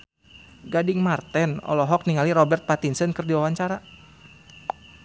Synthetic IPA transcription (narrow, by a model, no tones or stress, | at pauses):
ɡadɪŋmart̪ɛnɔ̰lɔɦɔk̚niŋaliɾɔbɛrt̪̚pat̪insənkərdiwawaɲt͡ʃaɾa